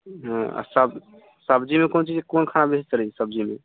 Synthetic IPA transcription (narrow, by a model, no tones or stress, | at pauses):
ɦãa̰səb | səbd͡ʒimekont͡ʃid͡ʒkonkʰanabest͡ʃəɾɛsəb̚d͡ʒime